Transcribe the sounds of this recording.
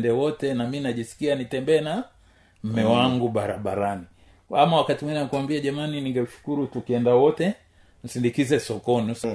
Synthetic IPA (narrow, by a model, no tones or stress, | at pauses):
ndɛwɔtɛnaminaʄisi̥kianitɛmbɛːna | m̩mɛwaŋɡuɓaɾaɓaɾani | amawakatimwininkuwambiaʄamaniniŋɡɛuʃu̥kuɾutukiɛndawɔtɛ | m̩sindikizɛsɔkɔnu